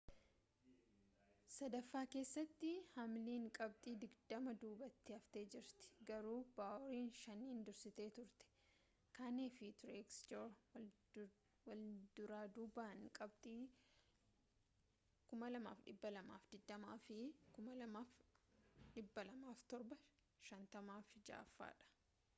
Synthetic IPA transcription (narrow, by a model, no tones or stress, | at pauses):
sɐd̪ɐfːaːke̞ːsːɐt̪ːɪhɐmliːŋkʼɐb̚t̪ʼiːd̪ɪɡd̪ɐmɐd̪uːbɐt̪ːɪɐft̪e̞ːd͡ʒɪɾt̪ɪ̥ɡɐɾuːb̥aːʔɔɾiːnʃɐnːiːnd̪ʊɾsɪt̪eːt̪ʊɾt̪ɛ̥ | kaːneːfɪt̪ʊɾɛkst͡ʃoːɾ | wɐld̪ʊɾaːd̪uːbaːŋkʼɐb̚t̪ʼiː | kʊmɐlɐma̰ːfᶑɪbːɐlɐma̰ːfd̪ɪd̪ːɐmaːfɪkʊmɐlɐmaːf | ᶑɪbːɐlɐmaːft̪ɔɾbɐ | ʃɐnt̪ɐmaːfd͡ʒa̰ːfːa̰ːᶑɐ̥